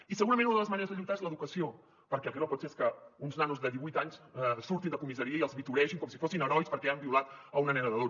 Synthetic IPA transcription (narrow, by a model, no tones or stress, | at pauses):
isəɣuɾəmenunəðələzməneɾəzðəʎujt̪aezləðukəsio | pəɾkɛlkiɾɔpɔt̪seeskəunznanuzðəðiβujt̪aɲssuɾt̪ind̪əkumizəɾiəiəlˠzβit̪uɾɛʃiŋkɔmsifosinəɾɔjspəɾkɛambiulat̪əunənɛnəðəðo